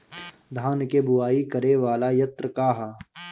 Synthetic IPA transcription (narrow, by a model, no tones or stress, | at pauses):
d̪ʱaːnkebʊwaːikɐɾeʋaːlajɐt̪ɾəkaːɦa